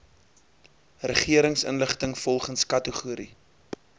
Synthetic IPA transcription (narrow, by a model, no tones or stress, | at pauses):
rəχiəɾəŋsə̰nləχtəŋfɔlˠχənskɐtəχuəɾḭ